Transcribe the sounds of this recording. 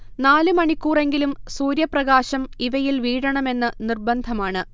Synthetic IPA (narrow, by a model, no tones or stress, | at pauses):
naːlɨmɐɳikʲːuːre̞ŋɡilumsuːɾjɐprɐɣaːɕɐmiʋɐjilʋiːɻɐɳɐme̞nːɨnirbɐnd̪ʱɐmaːɳɨ